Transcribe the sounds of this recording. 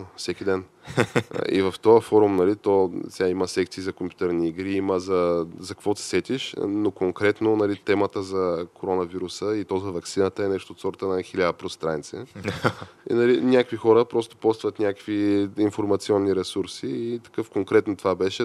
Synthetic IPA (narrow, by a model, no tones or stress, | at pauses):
fsɛkʲid̪ɛn̰ | ḭvɐft̪ɔjəfɔɾumnɐlit̪osʲɛaiməsɛk̚t̪siːzɐkompjut̪ɛɾniːɡɾiiməzɐzɐkɐkvɔt̪i̥sɛt̪ʲiʃnokoŋkɾɛt̪nonɐlit̪ɛmət̪əzɐkoɾɔnɐviɾusəit̪ɔzɐvɐksinət̪əɛnɛʃt̪oːt̪sɔɾt̪ənɐxilʲad̪əpɾost̪ɾant̪sɛ̰ | ḭnɐlinʲakvixɔɾəpɾɔst̪o̥pɔt̪st̪vət̪nʲakkviinfoɾmɐt̪siɔnːiɾɛsuɾsiːt̪ɐ̥kɤfkoŋkɾɛt̪not̪ovabɛʃɛ